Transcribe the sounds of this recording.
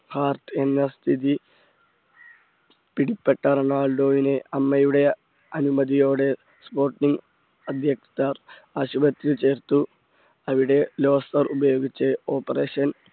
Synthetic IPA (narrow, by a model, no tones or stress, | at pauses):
haːrt̪e̞nːɐst̪ʰiði | piɽipːeʈːɐɾɐnaːɭɖo̞ːʋineɐmːɐjuɽe̞ | ɐnumɐd̪ijo̞ːɽe̞ | spo̞ːrʈniŋɡ | ɐd̪ʱjɐkt̪ːar | aːɕubɐt̪ɾit͡ɕe̞ːrt̪ːu | ɐʋiɽe̞lo̞ːsɐrubɐjo̞ːɡit͡ɕːɨo̞ːpːɐre̞ːɕɐn